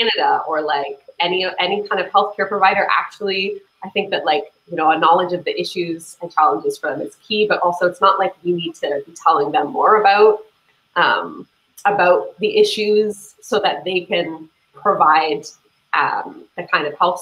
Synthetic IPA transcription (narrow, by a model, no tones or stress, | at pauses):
ænɨɾəə˞laɪkɛniʔɛnikʰãɪ̃ndʌv̥hɛlˠθkʰɛɹpʰɹ̥əvaɪɾə˞ʔæ̰k̚t͡ʃul̩ˠi | aɪθɪ̃ŋk̚ðɨt̚ˡlaɪkjɨnoʊənɑlˠəd͡ʒʌvðiʔɪʃʉz̥ɨ̃nt͡ʃʰælˠə̃nd͡ʒɨz̥fə˞ðɨ̃mɨz̥kʰibʌɾʔɔlˠsoʊɨtsnəʔlaɪkwinid̚tʰɨbitʰɛlˠɪ̃ŋðɨ̃mːɔɹɨbaʊt̚ | ʔʌ̰̃m | əbaʊt̪̚ðiʔɪʃʉz̥ | soʊðɨt̪̚ðeɪkɨ̃n | pʰɹ̥əvaɪd̪̚ | ʔʌ̰̃mðɨkʰãɪ̃ndʌv̥hɛlˠθ